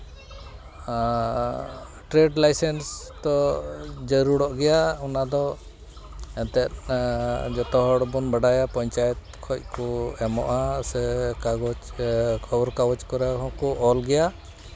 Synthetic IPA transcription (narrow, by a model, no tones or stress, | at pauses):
ʈɾeɖlajsɛnst̪ɔd͡ʒəɾuɽɔʔɡɛjaunad̪ɔ | ɛnt̪ɛt̪ | d͡ʒɔt̪ɔɦɔɽbunbaɖajapɔɲt͡ʃajɛt̪̚kʰɔc̚ˀkʰɔɛmɔ̰ʔasɛkaɡɔt͡ʃkʰɔbɔɾkaɡɔt͡ʃkɔɾaɦɔ̃kɔʔɔlɡɛja